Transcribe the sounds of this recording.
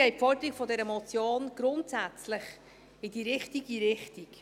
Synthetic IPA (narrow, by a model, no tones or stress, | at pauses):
ɛɪtfɔrd̥̪əɾikfɔdɛɾəmɔt͡sjoːnɡ̥ɾʊntsæt͡sləχ | ɪd̥iɾɪχtiɡiɾɪχtik